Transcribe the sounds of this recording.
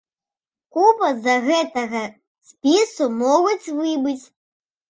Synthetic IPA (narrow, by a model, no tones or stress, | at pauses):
kupɐzɐɣɛt̪ɐɣɐ | sʲpʲisumɔɣut͡sʲvɨbɨt͡sʲ